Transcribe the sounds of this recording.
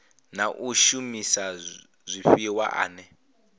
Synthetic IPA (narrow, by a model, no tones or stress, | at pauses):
naʔuʃumisa | zʷiɸiwa̰ʔa̰ːnɛ